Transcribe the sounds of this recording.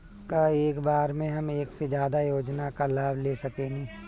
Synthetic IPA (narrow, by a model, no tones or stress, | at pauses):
kaeːkbaːɾmẽɦɐmeːksed͡ʒjaːd̪ajoːd͡ʒnakalaːbʱleːsɐkeːẽ